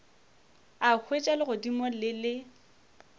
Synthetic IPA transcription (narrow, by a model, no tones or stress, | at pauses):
ak͡xʰwet͡ʃʼalɪɣʊdimɔlɪlɪ